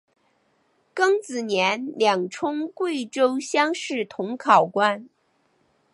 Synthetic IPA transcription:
kɤ˥ŋt͡sɹ̩˨˩njɛ˧˥nljɑ˨˩ŋʈ͡ʂʰʊ˥ŋkwe˥˩ɪʈ͡ʂo˥ʊɕjɑ˥ŋʂɻ̩˥˩t̪ʰʊ˧˥ŋkʰɑ˨˩ʊkwa˥n

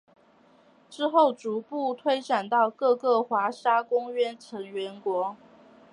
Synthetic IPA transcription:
ʈ͡ʂɻ̩˥xo˥˩ʊt͡su˨˥pu˥˩t̪ʰwe˥ɪʈ͡ʂa˨˩nt̪ɑ˥˧ʊkɤ˥˧kɤ˥˩xwa˧˥ʂa˥kʊ˥ŋɥɛ˥nʈ͡ʂʰɤ˧˥ŋɥɛ˧˥nkwɔ˧˥

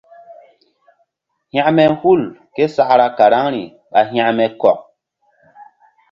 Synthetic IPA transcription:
hj̃ã˦mɛ˦hu˦˨lke˦sa˦˨ʔɾa˦ka˨ɾa˦ŋɾi˨ | ɓa˨ɦã˦˨ʔmɛ˨kɔ˨k̚

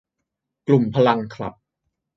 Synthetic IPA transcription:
klu˨˩mpʰa˧la˧ŋkʰla̰˨˩p̚

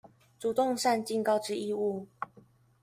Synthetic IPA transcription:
ʈ͡ʂu˨˩t̪o˥˧ŋʂa˥˧nt͡ɕi˥˨ŋkɑ˥˧ʊʈ͡ʂɻ̩˥i˥˧u˥˩

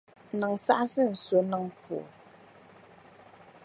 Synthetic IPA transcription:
nɨ˨ŋsa̰˦ʔsɨ˦n̩˨so˨nɨ˨ŋtu˨o̰˨

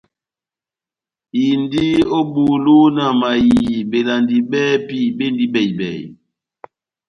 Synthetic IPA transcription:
ji˨n˦di˦o˦bu˨lu˦na˨ma˨ji˨be˨la˨ndi˨bɛː˦pi˦˨be˦ndi˦ɓɛ˨jbɛ̰˨j

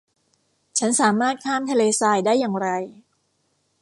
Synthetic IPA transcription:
t͡ɕʰa˦˥nsaː˩˦maː˥˩t̪̚kʰaː˥˩mt̪ʰa˧leː˧saː˧˩jdaː˥˩jːaː˨˩ŋɾa˧j

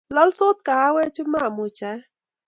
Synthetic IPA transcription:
lɔ˦lsʊ˦t̪̚ka˨ha˦wɛ˦t͡ʃʊ˦ma˦˨mʊ˨t͡ʃa˨˦

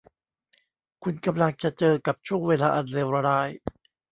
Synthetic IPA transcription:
kʰu˧nka˧mla˧ŋt͡ɕa˨˩ʔt͡ɕɤː˧ka˨˩p̚t͡ɕʰu˥˩əŋweː˧laː˧ʔa˨˩nleː˧wɾaː˧ɾaː˧j

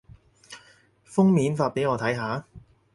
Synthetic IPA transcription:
fʊ˥ŋmiː˨˥nfaː˧t̚pe˨˥jŋɔː˨˧t̪ʰɐ˨˥jɦaː˨˥

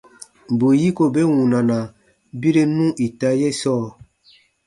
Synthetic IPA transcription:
bo˨ji˦ko˨be˦wũ˨nã˨nã˨ | bi˦ɾe˦nũ˦ʔi˨ta˦je˦sɔː˦˨

